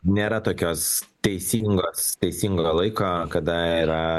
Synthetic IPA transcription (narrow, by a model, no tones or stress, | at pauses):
nʲeːɾɐt̪oːkʲoːst̪ʲɛɪsʲiːŋɡoːst̪ʲɛɪsʲiːŋɡoːlˠɐɪkoːkɐd̪ɐiːɾɐ